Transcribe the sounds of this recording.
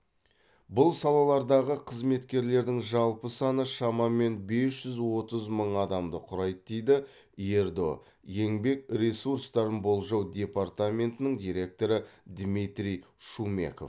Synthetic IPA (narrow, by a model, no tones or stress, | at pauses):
bʊlˠsɑlˠɑlˠɑɾd̪ɑʁəqʰəzme̞t̪kʲe̞ɾle̞ɾd̪ɪŋʒɑlˠpəsɑnəʃɑmɑme̞nbe̞sʒ̥ʏzwo̞t̪əzməɴɑd̪ɑmd̪əqʰʊɾɑj̪əd̪ejd̪ɪ | e̞ɾd̪o̞̰ | je̞ŋbe̞k̚ɾʲe̞suɾst̪ɑɾənbo̞lˠʒɑwd̪ʲe̞part̪amʲe̞nt̪ɪnɪŋd̪ʲijɾe̞k̚t̪o̞ɾəd̪mit̪ɾʲij | ʃume̞̰ko̞̰f